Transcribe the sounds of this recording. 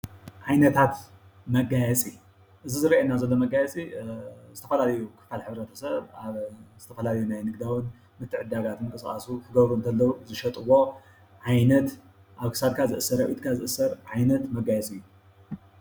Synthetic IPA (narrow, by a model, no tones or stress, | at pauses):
ʕajnɐt̪ʰat̪ | mɐɡajɛt͡sʼi | ʔɨzizɨɾʔenːazɐlːomɐɡajɛt͡sʼizɨt̪ʰɐfɐlalɐjukʰɨ̥falħɨβɾɐt̪ʰɐ̥sɐβaβzɨt̪ʰɐfɐlalɐjunajnɨɡd̪awɨn | mɨt̪ʰːɨʕɨd̪aɡat̪mɨŋkʼɨsʼa̰sukʰɨɡɐβɾuɨnt̪ʰɐlːɐuzɨʃɐt̪ʼɨwo̞ | ʕajnɐt̪ | ʔaβkʰɨ̥sad̪̚kʰazɨʔɨsːɐɾɐʔit̪kʰazɨʔɨsːɐɾʕajnɐt̪mɐɡajɛt͡sʼɨjːu